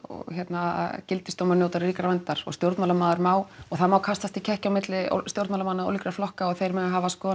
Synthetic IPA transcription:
ɔ̰çjɛt̪nacɪlt̪ɪst̪owmanjowt̪aɾriːkɾavɛnt̪aɾ̥ɔ̰ɣst̪jowɾt̪maːlamaːðaɾmaːwɔɣθaðmaːwkʰast̪ast̪icʰɛhcawmɪt̪lɪ̰st̪jowɾt̪malamanːao̰wlikɾaflɔhkaɔɣθejɾmɛnaɦavaskɔː

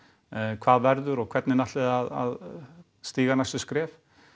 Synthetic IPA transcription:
kʰvaːðvɛɾðʏɾɔɣkʰvɛt̪nɪnaht̪ɛðaða̰ð | st̪iːɣanasʏskɾɛːf

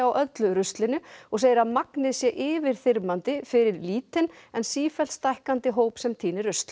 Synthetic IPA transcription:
awʔœt̪lʏɾʏst̪lɪnʏɔɣseːjɪɾaðmaknɪðsjɛʔɪːvɪɾ̥θɪɾmant̪ɪfɪɾɪɾliːt̪ɪnɛnsiːfɛlst̪ajhkant̪ɪɦoːwpsɛmt̪ʰiːnɪɾrʏst̪l

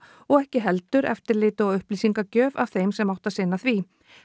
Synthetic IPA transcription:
ɔɣɛhcɪɦɛlt̪ʏɾɛ̰ft̪ɪɾlɪːt̪ʏaʏhpliːsiŋkacœːva̰v̥θejmsɛmawht̪asɪnːaθvi

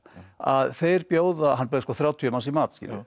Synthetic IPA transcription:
a̰ðθejɾpjoːwðaɦanːpʏːðɪskɔːθɾjaːwt̪ʰyœmasimaːt̪skcḭːlɪ̰

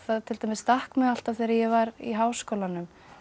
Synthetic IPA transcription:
θaðt̪ʰɪlt̪ajmɪsːt̪ahkmʏɣal̥t̪avθejɾajɛvaɾḭɦawskowlanʏm

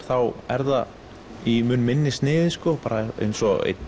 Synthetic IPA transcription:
θawɛɾða | imʏnmɪnːɪst̪nɪːðɪskʏpaːɾaḛjnsɔḛjt̪

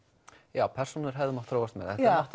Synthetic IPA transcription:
jaːwpʰɛr̥sunʏɾ̥ɦɛvðʏmaht̪ʰːɾoːwvast̪mɛːðɛamaht̪

